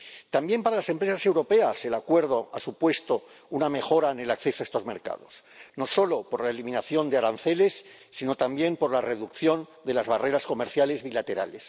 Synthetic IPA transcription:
t̪ambje̞mpaɾalase̞mpɾe̞sase̞wɾo̞pease̞lakwe̞ɾðoasupwe̞st̪o̞ | uname̞xo̞ɾaene̞lakθe̞soaest̪o̞zme̞̰ɾka̰ðo̞̰s | no̞so̞lo̞poɾlaelimĩnaθjo̞nd̪eaɾan̟θe̞le̞sː | ino̞t̪ambje̞mpo̞ɾlare̞ðukθjo̞nd̪e̞lazβare̞ɾasko̞meɾθjale̞zβilat̪e̞ɾa̰le̞s

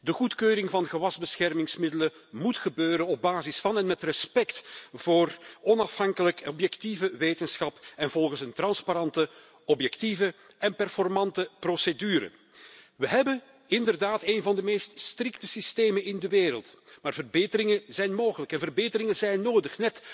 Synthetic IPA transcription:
dəɣutkøːɾɪŋvɑnɣəʋɑzbəsxɛrmɪŋsmɪdələ | mutxəbøːɾənɔb̚baːzɪsfɑnɛnmɛtrɛspɛktv̥oːrɔnɑfhɑŋkələkɔbjɛktivəʋeːtənsxɑpɛnvɔlˠɣənsəntrɑnspaɾɑntə | ɔpjɛktivə | ɛnpɛrfɔrmɑntəprosedyːɾə̰ | ʋəɦɛbən | ɪndərdaːteːnvɑndəmeːststrɪktəsisteːmənɪndəʋeːɾəlˠtmaːrvərbeːtəɾɪŋəzɛjnmoːɣələkɛnvərbeːtəɾɪŋəzɛjnːoːdəxnɛt

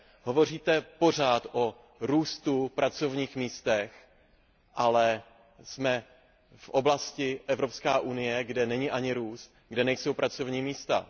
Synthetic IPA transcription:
ɦo̞vo̞riːt̪ɛpo̞r̝aːt̪ʔo | ɾuːst̪upɾʔat͡so̞vɲiːxmiːst̪ɛx | ʔalɛ | smɛ | fʔo̞blascɪʔɛvɾo̞pskaːʔunɪjɛɡdɛnɛɲɪʔaɲɪɾuːst̪̚ | ɡdɛnɛjso̞wpɾat͡so̞vɲiːmiːst̪a̰

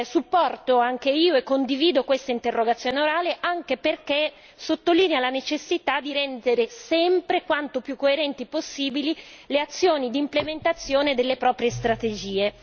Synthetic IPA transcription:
supːɔrt̪oaŋk̟eiːoekːond̪iviːd̪okwest̪aint̪erːoɡat̪sːjoːneoɾaːleʔaŋkeperke | sot̪ːoliːnealanet͡ʃesːit̪ad̪iɾɛnd̪eɾesɛmpɾekwant̪opjukːoeɾɛnt̪iposːiːbilileat̪sːjoːnid̪iːmplement̪at̪sːjoːned̪elːepɾɔːpɾjest̪ɾat̪ed͡ʒiːe

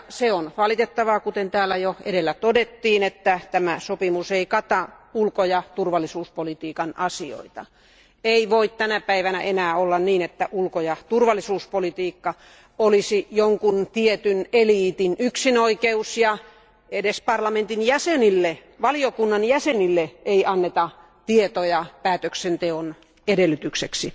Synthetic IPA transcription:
seonʋɑlit̪et̪ːɑʋɑkut̪ent̪æːlːæjoeɾelːæt̪odet̪ːiːnet̪ːæt̪æmæsopimuseikɑt̪ɑulkojɑt̪urʋɑlːˑisuːspolit̪iːkɑnɑsio̰it̪ɑ̰ | eiʋoit̪t̪ænæpæiʋænæʔenæːolːɑnniːnet̪ːæʔulkojɑt̪urʋɑlːˑisuːspolit̪iːkːɑ | olisijoŋkunt̪iet̪yneliːt̪inyksinoikeusjɑ | edespɑrlɑment̪injæsenilːe | ʋɑliokunːɑnjæsenilːeeiʔɑnːet̪ɑ | t̪iet̪ojɑpæːt̪øksent̪eon | edelːˑyt̪ykseksi

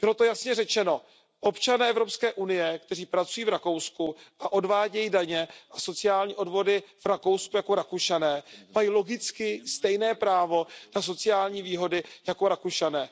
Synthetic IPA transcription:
b̥ɪlo̞t̪ojasɲɛrɛt͡ʃɛno̞ | ʔo̞pt͡ʃanɛːɛvɾo̞pskɛːʔunɪjɛkt̪ɛriːpɾat͡sujiːvɾako̞wskuʔaʔo̞dvaːɟɛjiːdaɲɛʔaso̞t͡sɪaːlɲiːʔo̞dvo̞dɪfɾako̞wskujakoɾakuʃanɛːmajiːlo̞ɡɪt͡skɪst̪ɛjnɛːpɾaːvo̞naso̞t͡sɪjaːlɲiːviːɦo̞dɪjako̞ɾakuʃanɛː

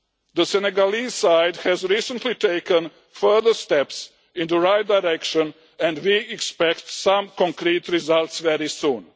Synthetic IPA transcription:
d̪əsɛnɛɡalisaɪdhɛzɾiːsə̃ntliteɪkə̃n | fɜ˞ðəst̪ɛps | ɪ̃nt̪uɹaɪt̚dajɾɛkʃə̃n | ɛ̃ndwiɛkspɛktsãmkɔ̃ŋkɾiːt̪ɾizalˠtsʋɛɾisũːn

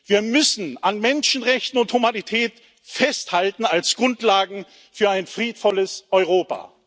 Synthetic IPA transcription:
v̥iːɐmʏsn̩anmɛnʃn̩ʁɛçtn̩ʊnthumanitʰɛːt | fɛsthaltn̩alsɡ̥ʁʊntlaːɡŋ̩ | fyːɐaɪnfʁ̥iːtfɔləsʔɔʏʁoːpa̰ː

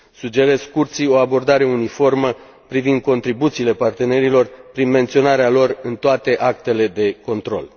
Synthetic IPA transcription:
sud͡ʒe̞ɾe̞skurt̪sio̞abo̞rd̪aɾe̞unifo̞rmə | pɾivind̪̚ko̞nt̪ɾibut̪siːle̞part̪e̞ne̞ɾilo̞rpɾinme̞nt̪sio̞naɾealo̞rɨnt̪oat̪e̞ʔak̚t̪e̞le̞d̪e̞ko̞nt̪ɾo̞̰l

